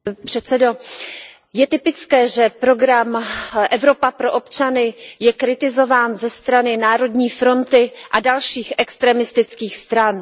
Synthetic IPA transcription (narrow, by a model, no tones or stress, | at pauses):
pr̥ɛt̪t͡sɛdo | jɛt̪ɪpɪt͡skɛːʒɛpɾo̞ɡɾamʔɛvɾo̞papɾo̞ʔo̞pt͡ʃanɪjɛkɾɪt̪ɪzo̞vaːnzɛst̪ɾanɪnaːɾo̞dɲiːfɾo̞nt̪ɪʔadalʃiːxʔɛkst̪ɾɛːmɪst̪ɪt͡skiːxst̪ɾan